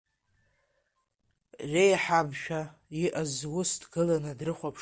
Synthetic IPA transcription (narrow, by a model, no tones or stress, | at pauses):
rejħabʃᶣaiʔazwʊsdɡɨlanɨdrɨχʷapʰ